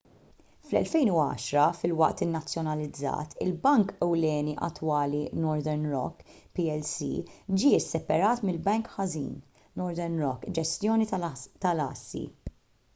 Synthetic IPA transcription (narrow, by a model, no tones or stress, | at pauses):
flɛ̰lfɛjnuɐ̰ːʃɾɐfɪlwɐʔt̪ɪnːɐt͡sːjɔnɐlɪd͡zːɐ̰ːt̪ʰɪ̰lbɐŋkɛwlɛːniʔɐ̰t̪ːwɐːlinɔɾd̪ɛɾnɾɔ̰kːpiɛlsḭd͡ʒiːɪsːɛpɐɾɐːt̪mɪlbɛŋkħɐzḭːnː | ɔɾd̪ɛɾnɾɔkːd͡ʒɛst̪jɔːnit̪ɐlɐ̰ːsːḭ